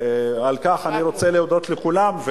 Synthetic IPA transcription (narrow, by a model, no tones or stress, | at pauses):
ealkaχaniʁo̞t͡seleod̪o̞t̪lekulamve